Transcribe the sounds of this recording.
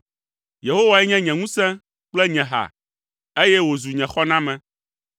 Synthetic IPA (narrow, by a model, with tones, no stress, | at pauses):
je˨ɦo˦wa˨ɛ˦ɲɛ̃˦ɲɛ̃˨ŋũ˦sɛ̃˦ | k͡plɛ˦ɲɛ̃˨ɦa̰˨ | e˦jɛ˦wo˨zu˨ɲɛ̃˨xɔ˦nã˦mɛ̃˨